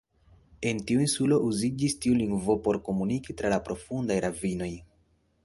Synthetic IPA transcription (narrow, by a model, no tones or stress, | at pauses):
e̞ntiuinsulo̞ʔuzid͡ʒistiuliŋɡvopo̞ɾko̞munikitɾalapɾo̞fundajɾavino̞j